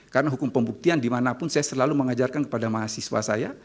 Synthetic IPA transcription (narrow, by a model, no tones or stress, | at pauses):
kaɾənaɦukʊmpəmbuk̚t̪iandimanapʊnsajasərlaluməŋad͡ʒarkankə̥padamaɦasiswa̰saja